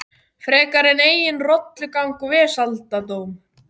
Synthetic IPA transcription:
fɾɛːkaɾɪneːjɪnrɔt̪lʏkawŋkʏvɪsalt̪at̪oːwm

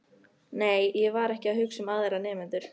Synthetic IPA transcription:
neːjjɛvaɾɛhcɪaðɦʏksʏmaðejɾanɛːmɪnt̪ʏɾ̥

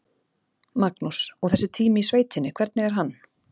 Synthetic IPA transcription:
maknusɔɣθɛsːɪt̪ʰiːmɪisveːjt̪ɪnːɪkʰv̥ɛɾt̪nɪɣɛɾ̥ɦanː

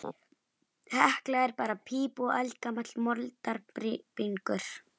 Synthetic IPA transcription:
hahklaɛɾpaɾapʰiːpʊʔalkamat̪lmɔlt̪aɾpɾipiŋkʏɾ̥

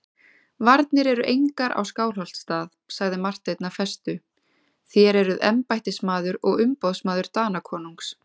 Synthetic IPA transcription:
vaɾt̪nɪɾɛɾʏʔejŋkaɾʔa̰wskaːwl̥al̥t̪st̪aːð | saɣðɪmar̥t̪ejt̪nafɛst̪ʏ | θjɛɾɛɾʏðɛmpajht̪ɪsmaːðʏɾɔɣʏmpowðsmaːðʏɾ̥t̪aːnakʰɔːnuŋks

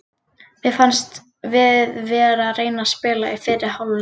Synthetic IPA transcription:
vɪðfanst̪ | vɪðvɛːɾareːjnaspɪːlaifɪːɾɪhawl

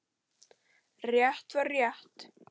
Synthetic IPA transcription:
rjɛht̪vaɾjɛht̪

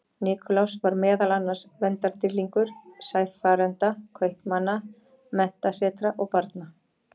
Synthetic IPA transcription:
nɪːkʰɔlawsvaɾmɛːðalanːḁsvɛnt̪aɾ̥t̪ɪlːiŋkʏɾ̥sajθfaːɾɛnt̪akʰœjhpmanːa | mɛn̥t̪asɛːt̪ɾaʔɔɣpaɾt̪na

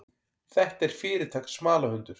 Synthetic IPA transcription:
θɛht̪ɛɾ̥fɪːɾɪt̪ʰaːksmaːlahʏnt̪ʏɾ̥

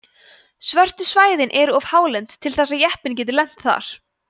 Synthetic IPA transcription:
svœr̥t̪ʏsvaːjðɪnʔɛɾʏɔv̥haːwlɛnt̪ʰːɪlθɛsːaðjɛhpɪnc̬ɛːt̪̬ɪlɛn̥t̪θa̰ɾ̥

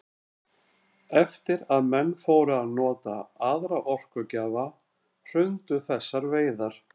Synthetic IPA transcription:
ɛft̪ɪɾaðmɛnːfoːwɾʏaðnɔːt̪a̰aðɾaʔɔr̥kʏcaːva | r̥ʏnt̪ʏθɛsːaɾveːjðaɾ̥

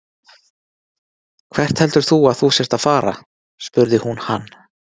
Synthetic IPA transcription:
kʰv̥ɛr̥t̪hɛl̪t̪ʏɾ̥θuaðθusjɛst̪aðfaːɾa̰ | spʏɾðɪhunhanː

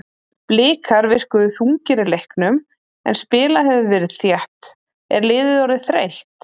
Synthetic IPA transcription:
plɪːkʰaɾvɪr̥kʏðʏθuŋcɪɾɪlejhknʏm | ɛ̰nspɪːlaɦɛvɪvɛɾɪðθjɛht̪ | ɛ̰ɾlɪːðɪðawɾɪθɾejht̪

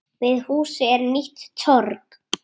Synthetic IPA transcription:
vɪðhuːsɪɛɾniht̪ːʰɔɾk

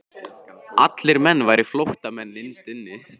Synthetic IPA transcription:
at̪lɪɾmɛnːvajɾɪflowht̪amɛnːɪnst̪ɪnːɪ

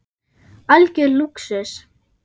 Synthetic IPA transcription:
alcʏluksɛs

